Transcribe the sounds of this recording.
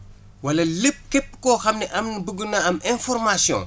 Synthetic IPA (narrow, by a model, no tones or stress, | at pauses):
wɐlɐlep̚ːkepːkɔxɐmnɛʔɐmnbəɡənaɐmɛ̃nfɔrmasiɔ̰̃ŋ